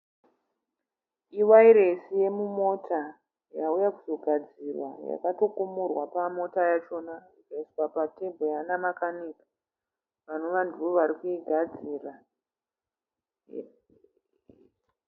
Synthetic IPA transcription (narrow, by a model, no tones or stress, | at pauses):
iwaiɾe̞sije̞mumo̞tʰa | jaujakuzo̞ɡʱad͡zirwa̰ja̰kato̞kumurwapamo̞tajat͡ʃo̞narikaiswapate̞mbʱojanamakanikḁ | ʋanoʋandoʋaɾikuiɡʱad͡ziːra